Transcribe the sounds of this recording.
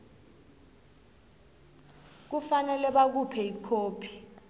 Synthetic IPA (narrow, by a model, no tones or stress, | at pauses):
k̬ufanɛlɛɓak̬upʰɛikʰoːpʰi̥